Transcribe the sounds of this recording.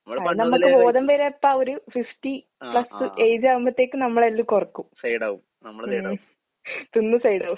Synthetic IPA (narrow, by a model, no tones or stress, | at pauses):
anɐmːɐkːɨbo̞ːðɐmbeːɾepːaːoɾufifʈi | pɭɐsɨʔe̞jd͡ʑɨaːʋumbɐt̪ːe̞ːkːɨnɐmːɐɭelːukurɐkːumsɐjɽau | ɐːɐ | t̪unːusɐjɽɐu